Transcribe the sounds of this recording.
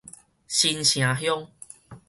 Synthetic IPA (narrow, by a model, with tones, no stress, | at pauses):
ɕi˧nɕj̃ã˨ɦjɔ˦ŋ